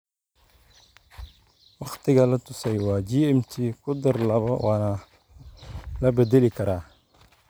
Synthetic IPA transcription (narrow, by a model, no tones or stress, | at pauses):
wɑxt̪ɪɡalat̪ʊsajwad͡ʒiemtikʊd̪ɪɾlabawʔana | labed̪elikɐɾa